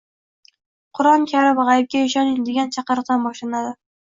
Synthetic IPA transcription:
qʰʊɾɒmkʲʰaɾɪpʁɑjɪp̚kʲaɪʃɒnɪŋd̪eɡʲant͡ʃʰɑqɨɾq̚d̪anbɒʃlanad̪ɪ

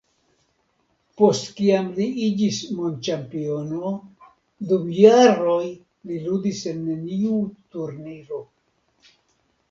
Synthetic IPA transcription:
po̞stkiamliid͡ʒismont͡ʃampio̞no̞ | dumjaɾo̞j | liludise̞nːeniutuɾniɾo̞

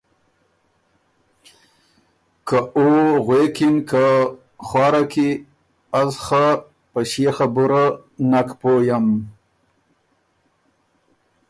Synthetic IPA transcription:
kaoɣwekinka | xwɑːɾaki | azxa | pəʃexabuɾanakpojam

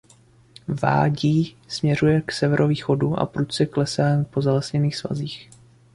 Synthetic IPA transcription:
va̰ːɟiː | smɲɛrujɛksɛvɛɾʔoviːxo̞duʔa̰pɾut͡sɛklɛsaːnpo̞zalɛsɲɛniːxsva̰ziːx

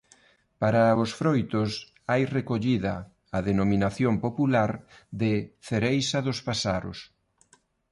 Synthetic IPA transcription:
paɾaʊsfɾojt̪ʊs | ajrekoʎiðɐ̰ː | ðenomĩnaθjompopulaɾd̪ɪθeɾejsɐðʊspasaɾʊ̰s

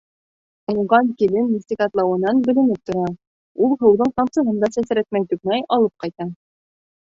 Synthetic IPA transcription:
ŭɴʁɑŋkilɘnːisʲt̪ʲikɑt̪lˠɑwɤ̆nɑnbɵ̆lɘ̆nɘp̚t̪ŏɾɑ | ulˠɦɤ̆wðɤɴt̪ɑmsɤ̆ɦɤnd̪ɑsæsɘ̆ɾæt̪̚mæjt̪ʉk̚nɑjɑlˠɤp̚qɑjt̪ɑ

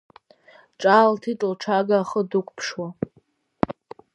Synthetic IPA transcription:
ʈ͡ʂʼaltʰitʼɨlʈ͡ʂʰaɡaːχədukʷʰʼpʰʂwa

